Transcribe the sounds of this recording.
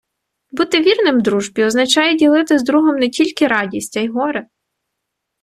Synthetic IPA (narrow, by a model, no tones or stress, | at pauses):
but̪ɪʋʲirnɪmd̪ɾuʒbʲiɔznɐt͡ʃɑjɛdʲilˠɪt̪ɪzd̪ɾuɦɔmnɛtʲilʲkɪɾɑdʲisʲtʲɐjɦɔɾɪ